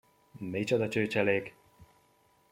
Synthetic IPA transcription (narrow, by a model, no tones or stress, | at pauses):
met͡ʃɒd̪ɒt͡ʃøːt͡ʃɛleːk